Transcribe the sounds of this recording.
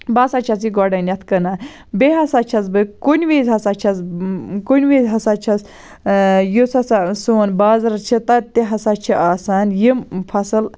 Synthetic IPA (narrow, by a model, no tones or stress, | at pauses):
bɐsat͡ʃʰɐs̬iɡɔɖɐnʲɐt̪ʰkɨna | beɦɐsat͡ʃʰɐzbɨkunʲʋiːzʲɦɐsat͡ʃʰɐzkunʲʋiːzʲɦɐsat͡ʃʰɐs | jusɐsasoːnbaːzɾɐt͡ʃʰit̪ɐt̪eɦɐsat͡ʃʰiʔaːsaːnjimpʰɐsɨl